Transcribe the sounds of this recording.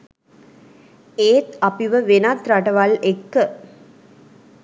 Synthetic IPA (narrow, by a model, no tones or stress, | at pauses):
eːt̪ɐpiʋəʋenat̪ɾaʈɐʋalekːə